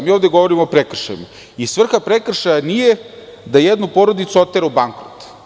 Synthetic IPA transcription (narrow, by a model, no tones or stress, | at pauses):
miːovd̪eɡo̞ʋoɾimoːpɾekr̩ʃa̰jma | isʋr̩xapɾekr̩ʃajanije | d̪ajed̪nupo̞ɾod̪it̪suot̪ːeɾaubaŋkɾot̪